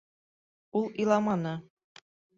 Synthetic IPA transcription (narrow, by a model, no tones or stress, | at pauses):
ulˠilˠɑmɑnɤ